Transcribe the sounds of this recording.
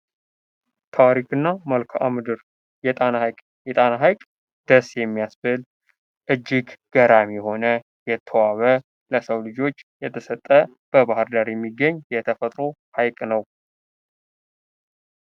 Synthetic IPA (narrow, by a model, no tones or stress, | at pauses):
t̪ʰaɾikʰɨnːaməlkʰa̰mɨd̪ɨɾ | jɛ | ɛt̪ʼanaɦajkʼ | d̪̥əsjɛmːijasbɨl | ʔɨd͡ʒːiɡɡ̥əɾamijɛho̞nə | jɛt̪ʰːəwaβə | ləsəwlɨd͡ʒo̞t͡ʃːjɛt̪ʰəsət̪ʼːə | b̥əbahɨɾd̪aɾjɛmːiɡːəɲːjɛt̪ʰəfət̪ʼɾo̞hajkʼnəw